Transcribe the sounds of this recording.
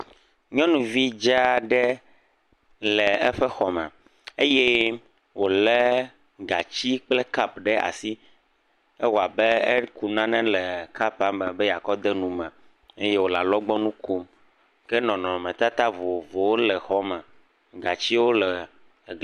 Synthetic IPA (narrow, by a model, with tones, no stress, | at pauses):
ɲɔ̃˦nũ˨vi˦d͡ʒa˦ɖɛ˦ | lɛ˨ɛ˦ɸɛ˦xɔ˨mɛ̰˨ | e˦jɛ˦ | wo˨lɛ˦ | ɡa˨t͡ɕi˦k͡plɛ˦ka˦pɖɛ˦a̰˨si˦ | ɛ˦wo˨a˨bɛ˦ɛ˦ku˨nã˦nɛ̃˦lɛ˨ka˦pa˦mmɛ˨bɛ˦ja˨kɔ˦d̪ɛ˦nũ˨mɛ̃˨ | e˦je˦wo˨la˨lɔ˦ɡ͡bɔ˦nũ˦ko˦m | kɛ˦nɔ̃˨nɔ̃˨mɛ̃˨t̪a˦t̪a˦vo˨vo˨wo˦lɛ˨xɔ˦mɛ̃˨ | ɡa˨t͡ɕi˦wo˦lɛ˨